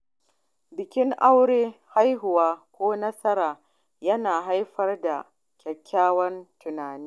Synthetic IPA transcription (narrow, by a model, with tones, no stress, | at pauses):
bɪ˨kʲɪ˦ŋʔa˦wɽeː˦ha˦jɦʊ˨waː˦kʷoː˦nɐ˦sɐ˦ɾaː˨ | jɐ˦naː˨ɦa˦jɸɐ˦rda˨ | kʲʰɐ˨kʲʰːaː˦wɐ˦ntʊ˨naː˨niː˦